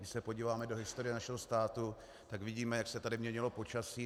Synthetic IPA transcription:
dɪʃsɛpo̞ɟiːvaːmɛdo̞ɦɪst̪o̞ɾɪjɛnaʃɛɦo̞st̪aːt̪u | t̪akvɪɟiːmɛjaksɛt̪adɪmɲɛɲɪlo̞po̞t͡ʃasiː

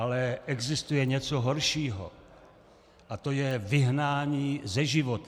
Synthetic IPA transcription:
alɛʔɛɡzɪst̪ujɛɲɛt͡soɦoɾʃiːɦo̰ | ʔat̪o̞jɛvɪɦnaːɲiːzɛʒɪvot̪

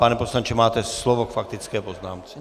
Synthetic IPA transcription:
panɛposlaɲt͡ʃɛmaːt̪ɛslovokfak̚t̪ɪt͡skɛːpoznaːmt͡sɛ

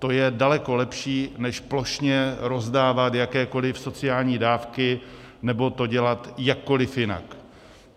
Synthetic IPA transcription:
t̪o̞jɛdalɛko̞lɛpʃiːnɛʃplo̞ʃɲɛɾo̞zdaːvat̪jakɛːko̞lɪfso̞t͡sɪaːlɲiːdaːfkɪ | nɛbo̞t̪o̞ɟɛlat̪jakːo̞lɪfjɪna̰k

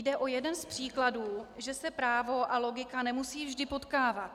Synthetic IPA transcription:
jdɛʔo̞jɛdɛnspr̝̥iːkladuːʒɛsɛpɾaːvo̞ʔalo̞ɡɪkanɛmusiːvʒdɪpo̞t̪kaːvat̪

